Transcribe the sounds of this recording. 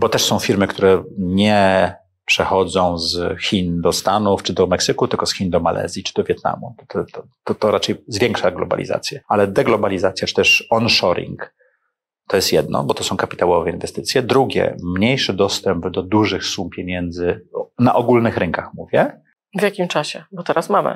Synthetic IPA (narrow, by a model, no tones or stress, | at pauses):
bɔt̪ɛʂsɔ̃w̃fʲiɾmɘkt̪uɾɛɲɛ | pʂɛxɔd̪zɔ̃w̃zxʲind̪ɔst̪anuft͡ʂɘd̪ɔmɛksɘkut̪ɘlkɔsxʲind̪ɔma̰lʔɛ̰zʲjit͡ʂɘd̪ɔvʲjɛt̪̚na̰mut̪ɔt̪ɔt̪ɔ | t̪ɔt̪ɔɾat͡ʂɛjzvʲjɛŋkʂaɡlɔ̰ba̰lʲḭza̰t̪sʲjɛalɛd̪ɛɡlɔbalʲizat̪sʲjat͡ʂɨ̥t̪ɛʂɔnʂɔɾʲḭŋk | t̪ɔjɛst̪jɛd̪nɔ̰bɔt̪ɔsɔ̃w̃kapʲi̥t̪awɔvɛinvɛst̪ɘt̪sjɛd̪ɾuɡʲɛ̰mɲejʂɘd̪ɔst̪ɛmbd̪ɔd̪uʐɘxsumpʲjeɲɛnd̪zɘnaʔɔɡulnɘxɾɘŋkaxmuvʲjɛ | vjakʲimt͡ʂaɕɛbɔt̪ɛɾasmamɘ̰